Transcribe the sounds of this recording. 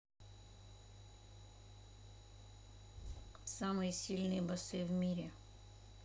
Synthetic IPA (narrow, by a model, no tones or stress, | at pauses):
samɨjsʲilʲnɨjbɐsɨʋmʲiɾʲe